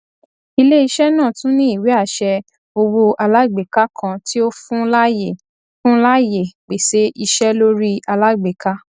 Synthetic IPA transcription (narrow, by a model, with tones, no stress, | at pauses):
i˧le˦i˧ʃɛ˦nã˦˨tũ˦nĩ˦i˦˨we˨˦a˦˨ʃɛ˧ | o˧wo˧ʔa˧la˦ɡ͡be˨ka˦kʰã˧ti˦o˦fũ˦la˦je˨ | fũ˦la˦je˨k͡pe˨se˨˦ʔi˧ʃɛ˦lo˦ɾi˦a˧la˦ɡ͡be˨ka˦